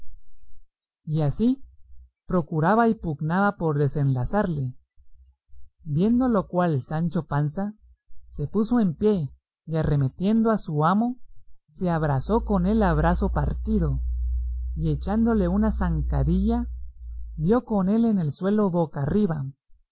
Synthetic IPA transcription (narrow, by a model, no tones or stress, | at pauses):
iasi | pɾo̞kuɾaβaipuɣnaβapo̞ɾðe̞se̞nlasaɾle̞ | bje̞nd̪o̞lo̞kwalsant͡ʃo̞pansa | se̞puso̞e̞mpje̞ | iare̞me̞t̪je̞nd̪oasuamo̞se̞aβ̞ɾaso̞ko̞ne̞laβ̞ɾaso̞paɾt̪iðo̞ | ie̞t͡ʃand̪ole̞unasaŋkaɾiʝa | bjo̞ko̞ne̞le̞ne̞lswe̞lo̞βokariβa